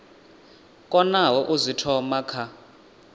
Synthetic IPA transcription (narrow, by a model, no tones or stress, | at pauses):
kʼɔnawɔʔuzitʰɔmakʰa